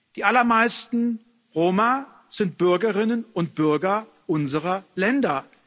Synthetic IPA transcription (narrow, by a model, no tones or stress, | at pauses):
d̥iːʔalɐmaɪstn̩ | ʁoːma | z̥ɪnt̚b̥ʏɐɡəʁɪnənʊnt̚b̥ʏɐɡɐ | ʔʊnzəʁɐlɛndɐ